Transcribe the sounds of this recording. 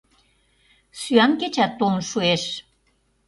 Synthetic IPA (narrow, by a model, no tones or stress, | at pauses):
syænket͡ɕæt̪ːonʃueʃ